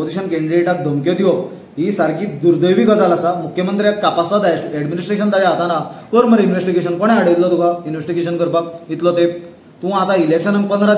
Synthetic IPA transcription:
od͡ziɕənkẽɳɖɾeʈak̚d̪ʱəmkjɔd̪iɔ | ɦisaɾkid̪uɾd̪əjʋikət̪alasamukʰːjəmənt̪ɾiakːapasad̪ajɛɽminisʈɾeɕənt̪aɭeat̪anakəɾməɾinʋesʈiɡeɕənkɔɽ̃ɛ̃aɽəit̪lɔt̪ukainʋesʈiɡeɕənkəɾpak̚it̪lɔt̪e | t̪ũat̪ailekɕənaŋɡ̚pənd̪ɾa

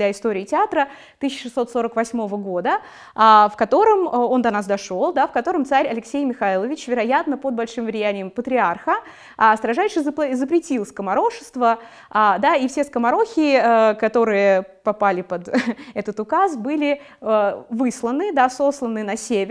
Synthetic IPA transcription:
aɪst̪o̞ɾʲɪːtʲɪat̪ɾə | t̪ɨɕʲːəʂɨsːo̞t̪so̞ɾəkvɐsʲmo̞vəɡod̪ə | afkɐt̪o̞ɾəmo̞nd̪ɐnas̬d̪ɐʂo̞lˠd̪afkɐt̪o̞ɾəmt̪saɾʲɐlʲɪksʲejmʲɪxailˠəvʲɪt͡ɕvʲɪɾɐjat̪nəpod̪bɐlʲʂɨmvɾʲɪjænʲɪjəmpət̪ɾʲɪarxə | ast̪ɾɐʐajʂɨzpɪzəpɾʲɪtʲilˠskəmɐɾo̞ʂɨ̥st̪və | ad̪aifsʲe̞skəmɐɾo̞xʲɪkɐt̪o̞ɾɨjə | pɐpalʲɪpəd̪ɛt̪ət̪ʊkasbɨlʲɪ | əvɨslˠənɨd̪aso̞slˠənɨnɐsʲevʲ

